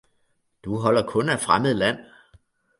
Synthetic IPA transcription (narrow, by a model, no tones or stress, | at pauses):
d̥uɦɒ̽l̰ɐkʰɔ̽næ̥fʁaməð̩ˠlæn̰